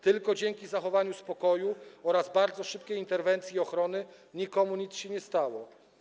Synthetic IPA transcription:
t̪ɘlkɔd͡ʑɛŋkʲizaxɔvaɲuspɔkɔjuɔɾazbaɾd̪zɔʂɘp̚kʲejint̪ɛɾvɛnt̪sʲjiɔxɾɔnɘɲikɔmuɲit̪sɕɛɲɛst̪awɔ

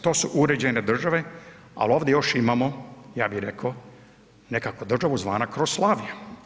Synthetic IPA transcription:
t̪o̞ːsuʔuɾe̞d͡ʑened̪r̩ʒaʋe̞ | a̰lo̞ːʋd̪ejo̞ʃimamojaːbiɾeko | ne̞kakod̪r̩ʒaʋuzʋa̰ːnakɾoslˠaːʋija

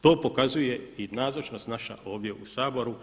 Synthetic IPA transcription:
t̪o̞ːpo̞kazuje̞inaːzot͡ʃnost̪naʃa̰ʔo̞ːʋd̪je̞ʔusaːbo̞ɾu

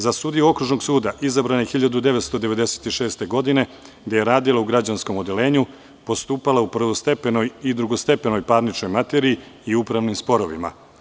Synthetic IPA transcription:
zasuːd̪iuo̞kɾuʒno̞ɡsuːd̪aʔizabɾanexiʎad̪ud̪e̞ʋet̪st̪o̞d̪e̞ʋe̞d̪e̞se̥t̪iʃe̞ːst̪e̞ɡo̞d̪ine̞ | ɡd̪e̞je̞ɾaːd̪ilˠauɡɾad͡ʑansko̞mo̞d̪e̞le̞ːɲu | po̞st̪uːpalaupr̩ʋost̪epenojid̪ɾuɡo̞st̪e̞peno̞jpaːɾnit͡ʃno̞jmat̪eɾiiːupɾaʋnimspo̞ɾo̞ʋima̰

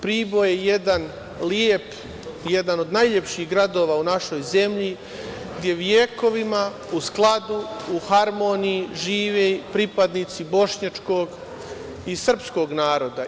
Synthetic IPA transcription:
pɾiːbo̞jejed̪an | lijep | je̞d̪ano̞d̪najlʎepʃiɣɡɾad̪o̞ːʋaːunaʃo̞jze̞mʎi | ɡd̪je̞ʋjeko̞ʋima | usklˠad̪uuhaɾmonijiʒiːʋepɾipad̪nit̪sibo̞ʃɲat͡ʃko̞ɡ | isr̩psko̞ːɡnaːɾo̞d̪a

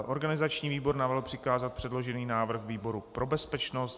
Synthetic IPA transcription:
ʔo̞ɾɡanɪzat͡ʃɲiːviːbo̞ɾnavɛlpr̥ɪkaːzat̪̚pr̝̥ɛdlo̞ʒɛniːnaːvr̩xviːbo̞ɾupɾo̞bɛspɛt͡ʃnost̪

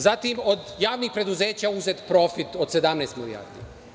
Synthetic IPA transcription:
zat̪imo̞d̪jaːʋnixpɾe̞d̪uze̞ːt͡ɕauzet̪pɾo̞fit̪o̞d̪̥se̞d̪amnest̪milija̰ɾd̪ḭ

